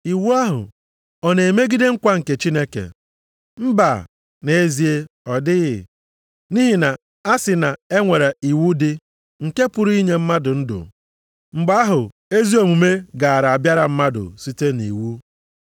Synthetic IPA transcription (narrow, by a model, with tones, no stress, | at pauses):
i˨wu˦a˦ɦʊ̰˨ | ɔ˦ne˨e˨me˦ɡi˦de˦ŋ̩˦kʷa˦ŋ̩˨ke˨t͡ʃi˦ne˦kḛ˨ | m̩˦ba˨ | ne˨e˦zi˨e˦ɔ˨dɪ˦ɣɪ˨ | ni˦ɦi˨na˨ | a˦sɪ˨na˨e˦ŋʷe˨ɾe˨i˨wu˦dɪ˦ | ŋ̩˨ke˦pʊ˨ɾu˦i˦ɲe˨m̩˦ma˦dʊ˨n̩˦dʊ̰˨ | ŋ͡m̩˨ɡ͡ba˦a˦ɦʊ˨ | e˦zi˦o˨mu˨me˦ɡa˨a˨ɾa˨a˨bja˦ɾa˨m̩˦ma˦dʊ̰˨si˦te˦nḭ˨wu˦